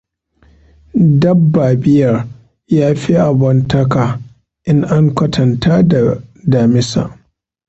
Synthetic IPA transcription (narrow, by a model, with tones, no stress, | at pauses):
dɐ˦bːaː˨bɪ˦jɐ˨r | jaː˦ɸi˦ʔa˨bɐ˨ntɐ˦kaː˨ | ʔɪ˦ŋʔa˦ŋkʷɐ˦tʰɐ˨ntaː˦da˨daː˨mɪ˦sa̰ː˨ʔ